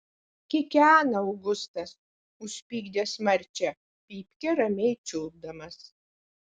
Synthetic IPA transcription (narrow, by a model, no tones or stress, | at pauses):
kʲɪkʲæːnɐɐʊɡʊst̪ɐs | ʊʃʲpʲiːɡd̪ʲeːsmɐɾʲt͡ʃʲɛ | pʲiːpʲkʲɛɾɐmʲɛɪt͡ʃʲʊːb̚d̪ɐmɐs